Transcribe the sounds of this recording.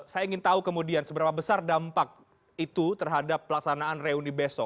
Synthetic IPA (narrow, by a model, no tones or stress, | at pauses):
sajaiŋɪnt̪aukəmudiansəbəɾapabəsardampak̚ | it̪ut̪ərɦadapːəlaksanaːnreunibesɔ